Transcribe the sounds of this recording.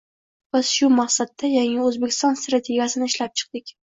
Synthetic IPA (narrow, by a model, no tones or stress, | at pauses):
vasʃʊmaqsat̪ːajaŋɪɵzbekʲʰɪ̥st̪ɒnst̪ɾat̪ʲʰe̞ɡʲjasɪnɪɪʃlap̚t͡ʃʰɨ̥q̚d̪̥ɪkʲ